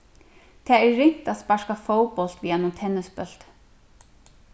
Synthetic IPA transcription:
t̪ʰaːɛɾːɪŋ̥t̪aðspaʂkafoːwpɔl̥t̪viːanʊmt̪ʰɛnːɪspœl̥t̪

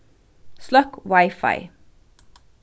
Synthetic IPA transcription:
slɑkwɑɪfɑ̰ɪ

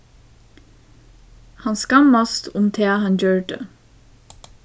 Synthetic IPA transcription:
hɑnskɑmɑst̪ʰʊmt̪ʰeːhɑnjøːɖə̰

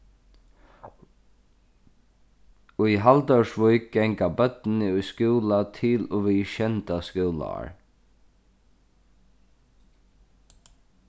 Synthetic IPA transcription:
ʊiɦald̪œwʂʋʊjk̚ɡɛŋkabœt̪nɪʊjskuːlat̪ʰɪloːʋiːʃɛnt̪askuːla̰a̰ɹ

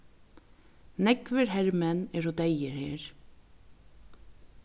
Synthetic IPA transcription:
nɛkvɪɾɦɛɾmɛnɛːɾud̪ejɪɾheːɹ

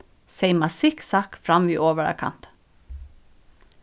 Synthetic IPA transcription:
seɪmɑsɪksɑːkfɾɑmʋiːʔoːʋəɹɑ̰kʰɑ̰nt̪

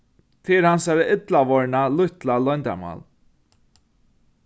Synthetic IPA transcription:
t̪ʰɪɾhansaɾaɪt̪laʋɔɹnalʊht̪lalɔjnt̪a̰ma̰l

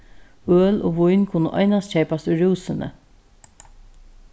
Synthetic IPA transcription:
øːlo̰ːʋʊjnkʰʊnəʔɔ̰ɪnast̪̚c͡çʰeɪpast̪ʊjɾuːsɪnə̰

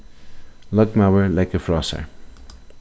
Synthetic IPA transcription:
lɔkmavəlaɪkəfɹɑsə̰

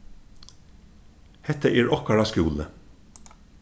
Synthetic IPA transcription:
hɛt̪əʔeːɹɔkɑɽɑskʉːlə

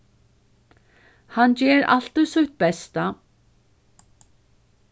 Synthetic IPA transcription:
hant͡ɕɛːɾa̰l̥t̪ʏsʊht̪̚bɛst̪a

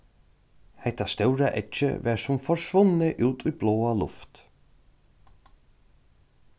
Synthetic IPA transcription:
hɛjt̪ast̪œwɾaʔɛt͡ʃə̰vɛːɹsʊmfɔɹsʋʊnːəʔʉːt̪ʰujbloːalʊ̰ft̪

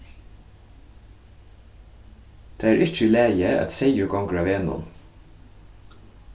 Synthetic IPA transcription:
d̪̥eːæːɾʔɪtəlæːjəʔæ̰t̪seɪʊɡɑŋɡɹɑːʋeːnʊ̰m

